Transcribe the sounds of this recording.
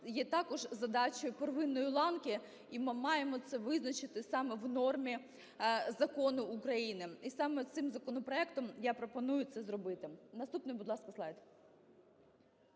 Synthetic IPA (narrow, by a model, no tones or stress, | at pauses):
jɛt̪ɑkɔʒzɐd̪ɑt͡ʃɔjʊperʋɪnːɔjʊlˠɑnkʲi | imɪmɑjemɔt̪sɛʋɪznɐt͡ʃɪt̪ɪsɑmɛʋnɔrmʲi | zɐkɔnʊːkɾɐjinɪisɑmɛt̪sɪmzɐkɔnɔpɾɔɛkt̪ɔmjapɾɔpɔnujʊt̪sɛzɾɔbɪt̪ɪnɐst̪upnɪjbʊd̪lˠɑskɐslˠɑjt̪